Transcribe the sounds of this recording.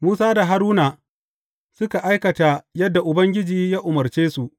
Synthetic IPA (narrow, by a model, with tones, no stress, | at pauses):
muː˦saː˦da˨ɦa˦ɾuː˦naː˨ | sʊ˦ka˨ʔa˦jkɐ˨ta˨jɐ˦dːa˨ʔʊ˨bɐ˦ŋɡʲɪ˦d͡ʒiː˨jaː˦ʔʊ˨mɐ˨rt͡ʃeː˦su˨ʔ